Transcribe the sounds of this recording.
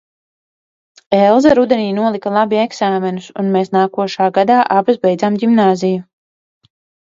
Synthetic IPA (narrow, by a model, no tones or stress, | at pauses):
ɛlˠzɛɾud̪eniːnuɔlˠikɐlˠabiɛɡsaːmɛnusunmeːsnaːkuɔʃaːɡad̪aːʔabazbɛjd̪zaːmɟimnaːziju